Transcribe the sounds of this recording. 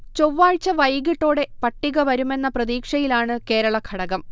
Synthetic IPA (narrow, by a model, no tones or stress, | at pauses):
t͡ɕoʋːaːɻt͡ɕːɐʋɐjɡiʈːo̞ːɽe̞pɐʈːiɣɐʋɐɾume̞nːɐprɐðiːkʂɐjilaːɳɨke̞ːɾɐɭɐkʰɐɽɐɣɐm